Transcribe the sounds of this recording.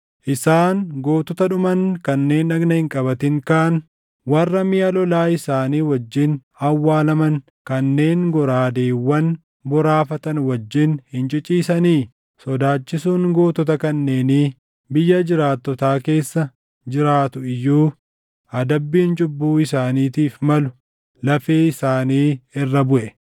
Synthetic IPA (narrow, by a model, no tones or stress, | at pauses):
ʔɪsaːnɡo̞ːt̪ɔt̪ɐᶑʊmɐnkɐnːe̞ːnɐɡnɐhɪŋkʼɐbɐt̪ɪŋkaːn | wɐrːɐmɪjɐlɔlaːɪsaːniːwɐd͡ʒːɪnhɐwːaːlɐmɐn | kɐnːe̞ːŋɡɔɾaːd̪e̞ːwːɐn | bɔɾaːfɐt̪ɐnwɐd͡ʒːɪnhɪnt͡ʃʼɪt͡ʃʼiːsɐniː | sɔd̪aːt͡ʃːɪsuːŋɡoːt̪ɔt̪̬ɐkɐnːe̞ːniː | bɪjːɐd͡ʒɪɾaːt̪ːɔt̪aːke̞ːsːɐ | d͡ʒɪɾaːt̪ʊɪjːuː | ɐd̪ɐbːiːnt͡ʃʼʊbːuːɪsaːniːt̪iːfmɐlʊ̥ | lɐfeːɪsaːniːɪrːɐbʊʔɛ